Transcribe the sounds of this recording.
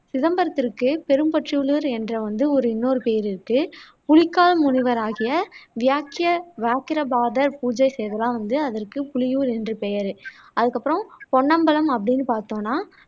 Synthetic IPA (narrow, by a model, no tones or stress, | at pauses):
sɪðɐmbɐɾɐt̪ːɪrkːɯpɛɾɯmpɐʈrɪʋɯɭɯɾɛndrɐʋɐnd̪ɯɔɾɯɪnːoːɾɯpeːɐɾɪɾɯkːɯ | pʊɭɪkːaːlɐmʊnɪʋɐɾaːɣɪjɐʋɪjaːkːɪjɐʋaːkɪɾɐbaːðɐɾpuːd͡ʒɐɪsɛjɐðɐlãːʋɐnd̪ɯɐðɐrkɯpʊɭɪjuːɾɛndrɯpɛjɐɾɯɐðɯkːɐpːɯɾɐ̃mpɔɳːɐmbɐlɐmɐp̬ːɐɽɪnːɯpaːɾt̪õːnːaː